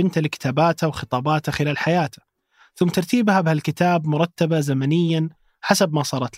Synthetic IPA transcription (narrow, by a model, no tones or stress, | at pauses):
ɪnt̪alɪkɪ̥t̪aːbaːt̪awxɨt̪ˤɑːbɑːt̪axɪlaːlħajaːt̪ḁ | θʊmːt̪ɑɾˤt̪iːbhabɪhalkɪt̪aːbmʊɾˤɑt̪ːabazamanɪjːan | ħasabmasˤɑːɾˤɑt̪